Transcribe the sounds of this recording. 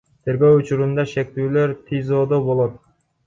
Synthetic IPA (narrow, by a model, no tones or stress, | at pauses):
t̪ʰe̞ɾɡø̞wut͡ʃuɾund̪ɑʃe̞k̚t̪yːlø̞ɾt̪ʰizod̪obolˠot̪